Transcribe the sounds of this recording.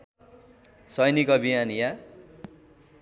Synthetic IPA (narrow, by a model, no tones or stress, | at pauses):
sʌjnikʌbʱiɦanija